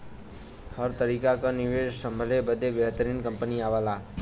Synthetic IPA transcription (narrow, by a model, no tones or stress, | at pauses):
həɾt̪əɾiːkakanɪʋeːʃsə̃mbʱəlebəd̪ʱeʋjəɦt̪əɾiːnkə̃mpəniaːʋaːlaː